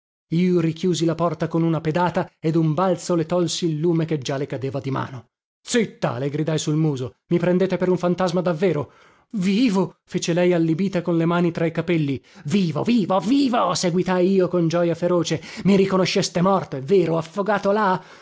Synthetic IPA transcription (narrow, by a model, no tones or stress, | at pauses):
iːoɾikjuːzilapɔrt̪akonunaped̪aːt̪aed̪umbalt̪solet̪ɔlsiːlːuːmeked͡ʒalekad̪eːvad̪ima̰ːno | t̪sit̪ːa̰leɡɾid̪ajsulmuːzomipɾend̪eːt̪epeɾuɱfant̪azmad̪avːeːɾo | viːvofeːt͡ʃelɛjalːibiːt̪akonlemaːnit̪ɾaikapɛlːiviːvo̰viːvoviːvoseɡwit̪ajiːokond͡ʒɔːjafeɾoːt͡ʃemiɾikonoʃːest̪emɔrt̪eveːɾoafːoɡaːt̪ola